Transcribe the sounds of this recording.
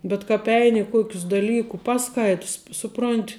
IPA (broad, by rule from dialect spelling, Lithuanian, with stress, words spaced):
bʲɛt kɑːp ˈɛɪnʲɪ ɪ ˈkuɔkʲʊs dɐˈlʲiːkuː ˈpɑːˌskɐɪts ˈsʊˌproːnʲtʲ